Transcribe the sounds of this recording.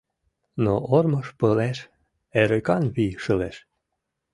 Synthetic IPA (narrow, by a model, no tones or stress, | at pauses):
noʔorməʃpəleʃ | eɾekɑnβiʃəleʃ